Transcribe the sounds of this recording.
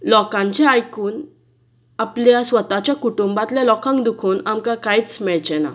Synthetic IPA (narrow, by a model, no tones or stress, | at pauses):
lɔkãɲt͡ɕɛajkuːn | apljasʋət̪at͡ɕjakuʈumbat̪ljalɔkãŋkd̪ukʰuːnamkãkajt͡smɛɭt͡ɕɛna̰